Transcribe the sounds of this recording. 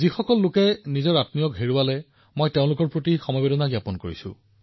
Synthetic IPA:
zixɔkɔlːʊkɛnizɔɹatnijɔkɦeɹuwalɛ | mojteʊ̃lʊkɔɹpɹotixɔmɔjbedɔnaɡjapɔnkoɹḭsʊ̰̃

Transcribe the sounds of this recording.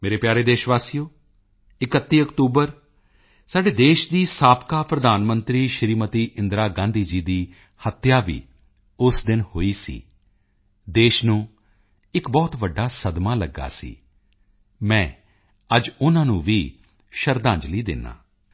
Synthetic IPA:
meːɾeːpjaːɾeːd̪eːʃʋaːsijoː | ɪkət̪ːiːəkt̪uːbəɾ | saːɖeːd̪eːʃd̪iːsaːpkaːpɾəd̪aːnmənt̪ɾiːʃɾiːmət̪iːʔɪnd̪ɾaːɡãːnd̪iːd͡ʒiːd̪iː | hət̪ːjaːʋḭː | ʊsd̪ɪnhoːiːsḭː | d̪eːʃnũː | ɪkbɔːt̪ʋəɖːaːsəd̪maːləɡːa̰ːsḭː | mɛ̃ː | əd͡ʒʊnãːnũːʋiː | ʃəɾd̪ãːɲd͡ʒliːd̪ɪ̰nːa̰ː

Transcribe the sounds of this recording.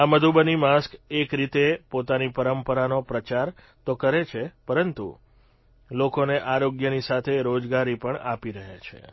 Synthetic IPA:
aməd̪ʱubənimaskekɾit̪epot̪anipəɾəmpəɾanopɾət͡ʃaɾ | t̪okəɾet͡ʃʰepəɾənt̪ṵ | lokoneʔaɾoɡjənisat̪ʰeɾod͡ʒɡaɾipəɳapiɾəɦat͡ʃʰḛ

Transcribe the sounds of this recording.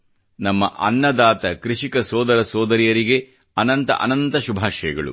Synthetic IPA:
nɐmːɐ̰ʔɐ̰nːɐd̪aːt̪ɐkɾiʂikɐsɔːd̪ɐɾɐsɔːd̪ɐɾijɐɾiɡe̞ | ɐnɐnt̪ɐ̰ʔɐ̰nɐnt̪ɐʃubʱaːʃɐjɐɡɐɭṵ

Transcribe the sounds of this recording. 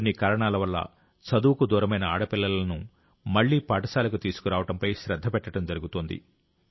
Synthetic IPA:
onːikaːɾɐɳaːlɐʋɐlːɐ̰ | sɐd̪uːkud̪uːɾɐmɐjnɐaːɽɐpilːɐlɐnu | mɐɭːiːpaːʈɐsaːlɐkut̪iːsu̥kuɾaːʋɐʈɐmpɐjʃɾɐd̪ʱːɐpɛʈːɐʈɐmd͡ʒɐɾuɡut̪oːnd̪ḭ

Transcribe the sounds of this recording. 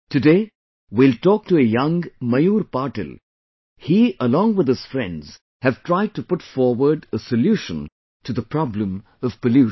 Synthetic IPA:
tɨdeː | wiltɔk̚tuəjʌ̃ŋmajuːɾpaɾʈɨ̰l | hiʔəlɔ̃ŋwɨd̪ɨz̥fɾɛ̰̃ndz̥ | hɨv̥tʰɹaɪd̚tupʊʈfɔɹwə˞ɖəsəljuʃə̃n | tuðəpʰɾɑblə̃m | ʌv̥pəlju

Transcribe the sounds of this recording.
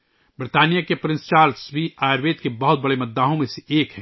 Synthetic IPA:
bɾɪt̪aːnijakepɾɪ̃nst͡ʃaːɾsbiaːjɾʋeːt̪̚kebɐɦʊt̪̚bɐɽemɐd̪aːɦõmẽseʔeːkɦɛ̃

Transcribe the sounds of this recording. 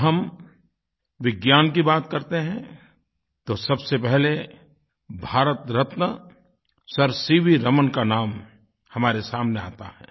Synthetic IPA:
ɦɐm | ʋɪɡjaːnk̬ibaːt̪kɐɾt̪eɦɛ̃ | t̪osɐbsepɛɦle | bʱaːɾət̪ɾɐt̪nə | sɐɾsiːʋiɾɐmənkanaːm | hɐmaːɾesaːmnea̰ːt̪a̰ɦɛ̰ː

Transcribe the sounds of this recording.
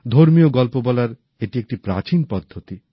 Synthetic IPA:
d̪ʱoɾmijoɡɔlpobɔlaɾ | eʈiek̚ʈipɾa̰t͡ɕinpɔd̪ʱːot̪i

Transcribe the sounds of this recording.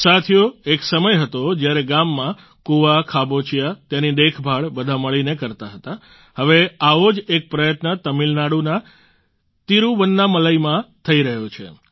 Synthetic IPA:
sat̪ʰijoeksəməjɦət̪od͡ʒjaɾeɡamːã | kuʋakʰabot͡ʃijat̪janid̪ekʰbʱaɭbəd̪ʱaməɭinekəɾt̪aɦət̪a | həʋeaʋod͡ʒek̚pɾəjət̪nət̪əmilnaɽuna | t̪iɾũʋənːaməlajmãt̪ʰəiɾəɦjot͡ʃʰḛ

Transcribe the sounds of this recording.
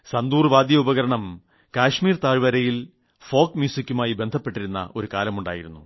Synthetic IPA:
sɐnd̪uːrʋaːd̪jɐubɐɣɐɾɐɳɐm | kaːʂmiːrt̪aːɻʋɐɾɐjil | fo̞ːkmjuːsikʲːumaːjibe̞nd̪ʱɐpːeʈːiɾunːɐ̰ʔo̞ɾukaːlɐmuɳɖa̰ːjiɾunːu

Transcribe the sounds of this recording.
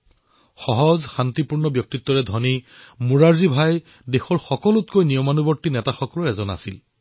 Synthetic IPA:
xɔɦɔzxant̪ipuɹnɔbjɔk̚titːɔɹɛdʱɔnimuɹaɹzibʱaj | dexɔɹxɔkɔlutkojnijɔmanubɔɹtːinɛtaxɔkɔlɔɹɛzɔna̰sil

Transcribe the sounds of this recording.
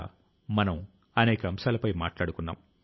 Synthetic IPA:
mɐnɐm | ɐnɛːkɐɐmsaːlɐpɐjmaːʈlaːɽukunːa̰ːm

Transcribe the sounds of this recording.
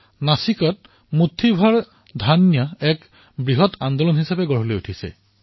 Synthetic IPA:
nasikɔt̚ | mutʰːibʱaɹ | dʱanjɔɛk | bɹiɦɔtʰand̪olɔnɦisapɛɡɔɹɦɔlojutʰisɛ̰

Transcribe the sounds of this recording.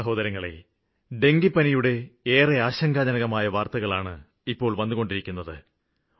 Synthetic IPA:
ɐɦo̞ːd̪ɐɾɐŋːɐɭe̞̰ | ɖe̞ŋɡipːɐnijuɽe̞eːreaːɕɐŋɡaːd͡ʑɐnɐɣɐmaːjɐʋaːrt̪ɐɣɐɭaːɳɨ | ipːo̞ːɭʋɐnːuɣo̞ɳɖiɾikʲːunːɐðɨ̰

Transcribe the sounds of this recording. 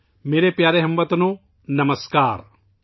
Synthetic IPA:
meːɾepjaːɾeɦɐmbɐt̪ɐnu | nɐmɐskaːɾ

